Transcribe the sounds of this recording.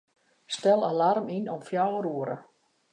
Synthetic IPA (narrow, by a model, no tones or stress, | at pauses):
stɛlˠalarminɔmfjawəɾuəɾə̰